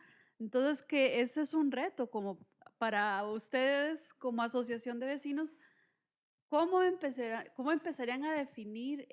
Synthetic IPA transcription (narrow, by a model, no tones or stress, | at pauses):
ent̪o̞nse̞ske̞esesunre̞t̪o̞ko̞mo̞paɾaust̪e̞ðe̞sko̞mo̞aso̞s̬jasjo̞nd̪e̞βe̞sino̞s | ko̞mo̞empe̞saɾako̞mo̞e̞mpe̞saɾiaŋaðe̞finiɾ